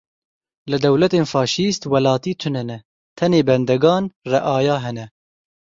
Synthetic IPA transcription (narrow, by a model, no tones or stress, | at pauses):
lɨd̪ɛwlɛt̪eːnfɑːʃiːst̪wɐlɑːt̪iːt̪ʰʊnɛnɛ | t̪ʰɛneːbɛnd̪ɛɡɑːnrɛʔɑːjɑːɦɛnɛ